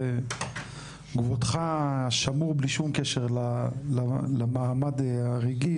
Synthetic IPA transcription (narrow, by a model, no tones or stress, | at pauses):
ɡvot̪χaʃamuʁbliʃumkeʃeʁlalalamaamad̪aʁiɡi